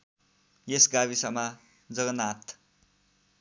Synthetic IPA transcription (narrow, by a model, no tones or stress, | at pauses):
jesɡaβisʌma | d͡zʌɡʌnat̪